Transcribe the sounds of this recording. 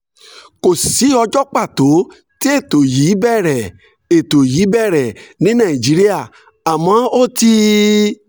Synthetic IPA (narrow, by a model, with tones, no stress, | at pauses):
ko˨si˨˦ɔ˧d͡ʒɔ˦k͡pa˦˨to˨˦ | ti˦e˦˨to˨ji˨˦bɛ˦˨ɾɛ˨ | e˨to˨ji˨˦bɛ˦˨ɾɛ˨nĩ˨˦nã˦˨i˨d͡ʒi˨˦ɾi˦a˦˨ | a˨mã˨˦o˦ti˧